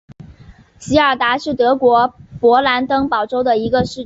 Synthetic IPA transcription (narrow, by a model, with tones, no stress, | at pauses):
ɕi˧˥ə˞˨˩t̪a˧˥ʂɻ̩˥˩t̪ɤ˧˥kwɔ˧˥pwɔ˧˥la˧˥nt̪ɤ˥ŋpɑ˨˩ʊʈ͡ʂo˥ʊd̪ə˨i˧˥ɡə˧ʂɻ̩˥˩